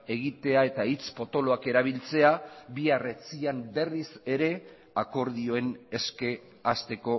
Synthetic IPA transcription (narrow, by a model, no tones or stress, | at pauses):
e̞ɣ̞it̪e̞ae̞t̪ait͡spo̞t̪o̞lo̞ake̞ɾaβ̞ilt͡se̞aβiare̞t͡siambe̞rise̞ɾe̞ | ako̞ɾðio̞e̞ne̞ske̞ | ast̪e̞ko̞